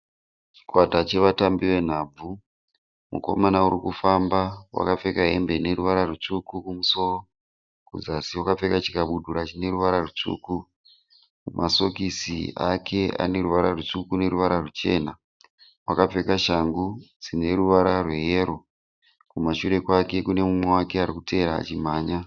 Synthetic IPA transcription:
t͡ʃi̥kwatat͡ʃe̞ʋatambiwe̞n̤aːb͡vu | mṵko̞̰manauɾikufambawa̰kap͡fe̞kaɦe̞mbene̞ɾuʋaɾarut͡ʂukukumuso̞ro | kṵzasiwakap͡ffe̞kat͡ʃi̥kaɓudʱuɾat͡ʃine̞ɾuʋaɾarut͡ʂṵːku | kumʔaso̞kisiakʰe̞a̰ne̞ɾuʋaɾarut͡ʂukune̞ɾuʋaɾarut͡ʃe̞̰ːna | wakap͡fe̞kaʃaŋɡud͡zine̞ruʋaɾarwe̞ɦeɾo̞ | kumaʃuɾe̞kwake̞kune̞mumwe̞wake̞aɾikute̞ɾa̰ːt͡ʃim̤aːɲa

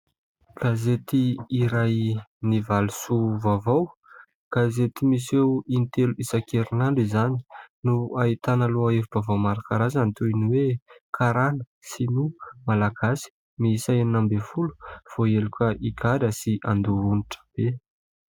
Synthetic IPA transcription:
ɡ̥azet̪iːɾajnivalusuvavaw | ɡ̥azet̪imisewint̪eluisakeɾinaɳɖ͡ʐizani̥nuait̪anəluaeviv̥avawmaɾakaɾazant̪ujniwekʰaɾanə | sinumalaɡ̥asi̥ | miisaeninambefulu̥foelukəʔikʰaɾəsiʔand̪uuniʈ͡ʂə̥b̥e

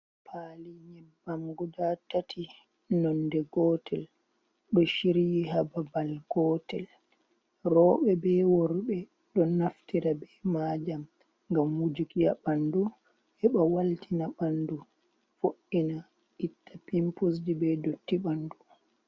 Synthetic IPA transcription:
pʰaːliɲɛbːamɡɔdatatʰi | nɔndɛɡɔːtɛl | ɗɔʃiɾijiɦababalɡ̥ɔːtɛl | rɔːɓɛbɛwɔɾɓɛ | ɗɔnaftiɾabɛmad͡ʒam | ŋɡamwud͡ʒikijaɓandu | hɛɓawaltʰinaɓandu | foʔːina | ʔitːapimpus̬d͡ʒibɛdotːiɓandu

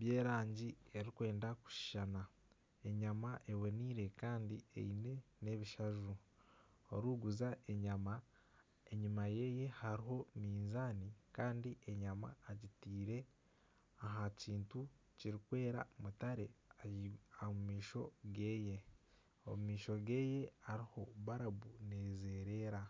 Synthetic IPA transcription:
βje̞ːɾaːɲɟie̞ɾikwe̞ːndaku̥ʃi̥ʃana | e̞ɲamaʔe̞wo̞niːɾe̞kaːndie̞̰ine̞ | ne̞βiʃaʒu | oɾuːɡuzaʔe̞ɲama | eɲumaje̞ːje̞haɾiɦo̞miːnzaːnikaːndiʔe̞ɲama̰ːɟitiːɾe̞ | aɦaciːntu | ciɾikwe̞ːɾa̰mutaɾe̞ | amumiːʃo̞ɡe̞ːje̞ | o̰mumiːʃo̞ɡe̞ːje̞aɾiho̞βaɾaβuneːze̞ːɾe̞ːɾa

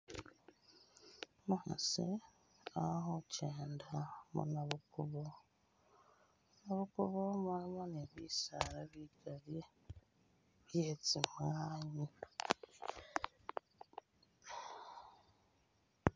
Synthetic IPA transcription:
muha̰se | aɦoceːndamo̰naβukuβo | naβukuβomaɾimaneβḭsaɾaβiɡaɾje | βjet͡simaɲi

